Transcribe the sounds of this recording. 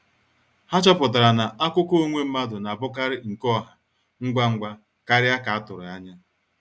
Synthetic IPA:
ha˦t͡ʃɔ˦pʊ˨t̬a˨ɾa˨na˨ʔa˦kʷʊ˦ko˦o˦ŋʷe˦m̩˦ma˦dʊ˨na˨bʊ˦ka˦ɾɪ˦ŋ̩˨kɔ˦˨ɦa˨ | ŋ̩˦ɡʷa˦ŋ̩˦ɡʷa˦ | ka˦ɾɪ˦a˦ka˨a˦tʊ˨ɾʊ˨a˦ɲa˦

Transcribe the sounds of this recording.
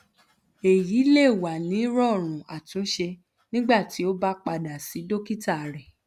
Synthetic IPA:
e˨ji˨˦le˦˨wa˨nĩ˨˦ɾɔ˦˨ɾ̃ũ˨a˨tũ˨˦ʃe˧ | nĩ˦ɡ͡ba˦˨ti˨˦o˦ba˦k͡pa˧da˨si˨˦do˦ki˦ta˦˨a˨ɾɛ˨

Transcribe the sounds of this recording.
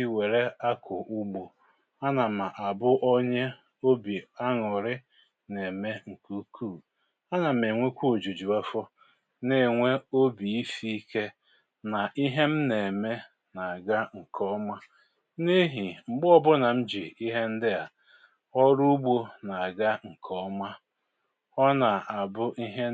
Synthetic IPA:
we˨ɾe˦a˦kʰʊ˨ʔu˦ɡ͡bo˨ | a˦na˨ma˨ʔa˨bʊ˦ʔɔ˦ɲe˦ | o˦bi˨a˦ŋʊ˨ɾɪ˦ | ne˨me˦ŋ̩˨ku˦kʰu˦˨ | a˦na˨m̩˨e˨ŋʷe˦kʷu˦o˨d͡ʒu˨d͡ʒu˨a˦fɔ˦ | ne˦˨ŋʷe˦o˦bi˨i˦fi˦i˦ke˦ | na˨ʔi˦ɦe˦m̩˦ne˨me˦ | na˨a˨ɡa˦ŋ̩˨kʰɔ˦ma˦ | ne˦ɦi˨ŋ͡m̩˨ɡ͡bɔ˦bʊ˦na˨m̩˦d͡ʒi˨i˦ɦe˦n̩˦dɪ˦a˨ | ɔ˦ɾu˦ɡ͡bo˦na˨a˨ɡa˦ŋ̩˨kʰɔ˦ma˦ | ɔ˦na˨a˨bʊ˦ʔi˦ɦe˦

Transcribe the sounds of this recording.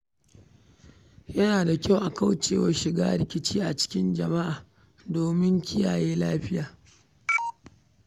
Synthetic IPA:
jɐ˦naː˨da˨kʲa˦˨wʔa˨ka˦wt͡ʃeː˨wɐ˦ʃɪ˨ɡa̰ː˦ɾɪ˨kʲɪ˦t͡ʃiː˦ʔa˨t͡ʃɪ̥˦kʲɪ˦nd͡ʒɐ˨ma˦ʔaː˨ | doː˨mɪ˦ŋkʲɪ˦ja̰ː˨jeː˦laː˦ɸɪ˦jaː˨

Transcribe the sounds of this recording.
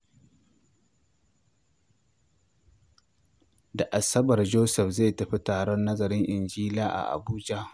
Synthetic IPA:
da˨ʔa˨sɐ˦bɐ˨rd͡ʒoː˦sɛ˨ɸze˦˨tɐ˨ɸi˦taː˨ɽɔ˦nːɐ˦zɐ˨ɾɪ˦ŋʔɪ˨nd͡ʒiː˦laː˦ʔa̰˨ʔa̰˨buː˦d͡ʒa˦ʔ

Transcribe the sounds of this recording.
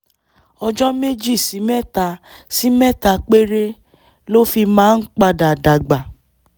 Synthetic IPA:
ɔ˧d͡ʒɔ˦me˦d͡ʒi˦˨si˨˦mɛ˦˨ta˧si˦mɛ˦˨ta˧k͡pe˦ɾe˦ | lo˦fi˧mãː˦n̩˦k͡pa˧da˨da˨ɡ͡ba˨

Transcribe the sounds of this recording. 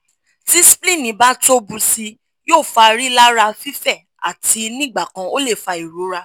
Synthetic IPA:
ti˦si̥˦plĩ˦˨nĩ˨˦ba˦to˦bũ˧si˧ | joː˦˨fa˧ɾi˦la˦ɾa˧fi˦fɛ˦˨ | a̰˨ti˧nĩ˦˨ɡ͡ba˦˨kã˧o˦le˦˨fa˧i˨ɾo˨˦ɾa˧

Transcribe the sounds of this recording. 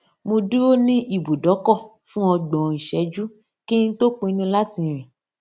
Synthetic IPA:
mo˧du˦o˦nĩ˦i˦˨bu˨dɔ˨˦kɔ˦˨ | fũ˦ɔ˧ɡ͡bɔ̃˨i˨ʃɛ˧˦d͡ʒu˦ | ki˦n̩˦to˦k͡po˧i˧nũ˦la˦ti˧˨ɾ̃ĩ˨

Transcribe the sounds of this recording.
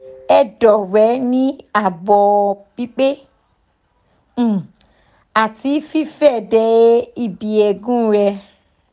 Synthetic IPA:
ɛ˦dɔ˨ɾɛ˨˦nĩ˦a˦˨bɔ˨˧b̥i˦k͡pe˦˨ | a˨ti˧˦fi˦fɛ˦˨dɛ˨˧˦i˦˨bi˨ɛ˧ɡũ˦ɾɛ˧

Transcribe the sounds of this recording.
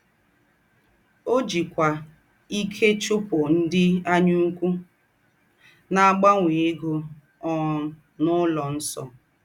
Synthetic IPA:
o˦d͡ʒi˨kʷa˨ | i˦kʰe˦t͡ʃʊ˦pʊ˨n̩˦dɪ˦a˦ɲʊ˦kʷu˦ | na˨a˦˨ɡ͡ba˦ŋʷe˨e˦ɡʊ˦ | ɔ˨˦ | nʊ˦lɔ˨n̩˦sɔ̰˨

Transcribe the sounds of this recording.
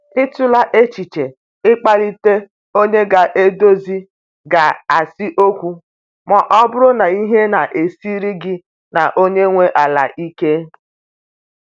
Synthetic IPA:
ɪ˦tʊ˦la˦ʔe˦t͡ʃi˨t͡ʃe˨ | ɪ˦k͡pa˦li˦te˦ | o˦ɲe˦ɡa˨ʔe˦do˦zi˦ | ɡa˨a˨sɪ˦ʔo˦kʷu˦ | ma˨ʔɔ˦bʊ˦ɾʊ˦na˨i˦ɦe˦na˨ʔe˨si˦ɾi˦ɡɪ˦ | na˨ʔo˦ɲe˦ŋʷe˦ʔa˨la̰˨ʔi˦ke˦

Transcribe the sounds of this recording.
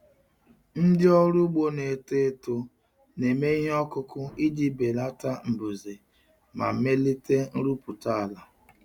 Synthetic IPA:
n̩˦dɪ˦ɔ˦ɾʊ˦ɡ͡bo˦ne˨te˦to˨ | ne˨me˦i˦ɦe˦ɔ˦kʊ˦kʊ˦i˦di˦be˨la˦ta˦m̩˨bu˨ze˨ | ma̰˨m̩˨˦me˦li˦te˦n̩˦ɾu˦pʊ˨ta˦a˨la˨

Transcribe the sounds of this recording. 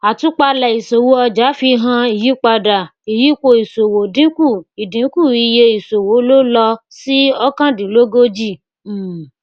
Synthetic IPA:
a˨tũ˨˦k͡pa˧lɛ˨i˨so˨wo˦ɔ˧d͡ʒa˨˦fi˧ɦã˧i˨ji˨˦k͡pa˧da˨i˨ji˨˦ko˧i˨so˨wo˨dĩ˦ku˦˨i˨dĩ˨˦ku˦˨i˧je˧i˨so˨wo˨˦lo˦lɔ˧ | si˦ɔ˦kã˦dĩ˨lo˦ɡo˦d͡ʒi˦˨˦

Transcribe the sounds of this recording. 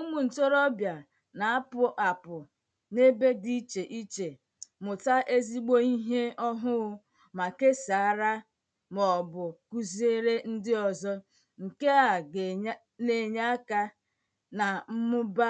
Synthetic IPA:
u˦mu˨n̩˨to˦ɾɔ˦bja˨ | na˨a˦pʊ˨ʔa˨pʊ˨ | ne˦be˦di˦t͡ʃe˨ʔi˦t͡ʃe˨ | mʊ˨ta˦ʔe˦zi˦ɡ͡bo˦i˦ɦe˦ɔ˦ɦʊ˦ɣʊ˦ | ma˨ke˦sa˨a˦ɾa˦ | mɔ˨bʊ˨ku˦ze˦ɾe˦n̩˦dɪ˦ɔ˨zɔ˦ | ŋ̩˨ke˦a˨ɡ | ne˨ɲa˦a˦ka˦ | na˨m̩˦mʊ˦ba˦

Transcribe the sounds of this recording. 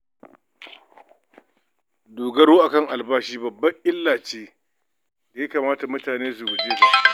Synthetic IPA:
doː˨ɡɐ˦ɽoː˦ʔa˨kɐ˦˨ŋʔa˨lbaː˦ʃiː˦bɐ˨bːɐ˦ʔɪ˦lːaː˨t͡ʃeː˦ | da˨ja˦kaː˨maː˦ta˨mʊ˦taː˨neː˦s̬ʊ˨wʊ˨d͡ʒeː˦ɡa˦˨

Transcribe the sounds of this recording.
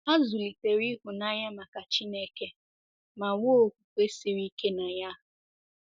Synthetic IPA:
a˦zʊ˨li˨te˨ɾi˦ɦʊ˨na˦ja˦ma˨ka˨t͡ʃi˦ne˦ke˦ | ma˨wo˦˨kʷu˨kʷe˦si˨ɾi˦ke˦na˨ja˦˨

